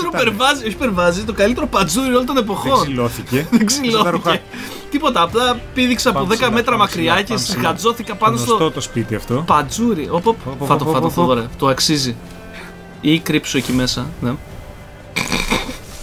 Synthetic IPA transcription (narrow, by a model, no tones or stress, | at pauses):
eɾopeɾvɐzio̞çi̥peɾvɐzit̪o̞kɐlit̪e̞ɾopɐd͡zuɾiolont̪o̞ne̞po̞xo̞noθiðeɡsilo̞ice | t̪ipo̞t̪ɐːplɐpiðikseɐpoðe̞kɐme̞t̪ɾɐmɐkɾiɐcesɣɐd͡zo̞θikɐpɐnost̪otspit̪iɐ̰ft̪opɐd͡zuɾiʔopopfɐt̪oɐt̪fɐðoɾet̪oɐksizi | ikɾipsoecime̞sɐne